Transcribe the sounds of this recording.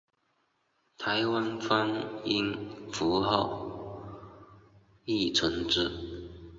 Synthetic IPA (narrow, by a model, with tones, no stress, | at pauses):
t̪ʰa˨˧˥ɪwa˥nfa˥ni˥nfu˨˧˥xɑ˥˩ʊ | i˥˩t͡sʰə˧˥ŋʈ͡ʂɻ̩˥˩